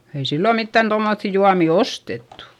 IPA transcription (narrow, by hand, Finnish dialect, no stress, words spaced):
ei silːo mitːæn tomːoθːi juɑmi ostetːu